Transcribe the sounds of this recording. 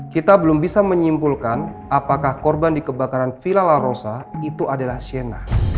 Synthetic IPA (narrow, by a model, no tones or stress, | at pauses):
kit̪abəlʊmbisaməɲimpulkan | apakahkɔrbandikəbakaɾanfilalarosait̪uadalahsienah